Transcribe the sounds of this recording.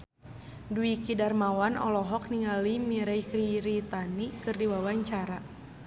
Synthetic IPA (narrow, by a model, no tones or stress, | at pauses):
duikidarmawanɔ̰lɔɦɔk̚niŋalimiɾajkɾiɾit̪anikɨrdiwawaɲt͡ʃaɾa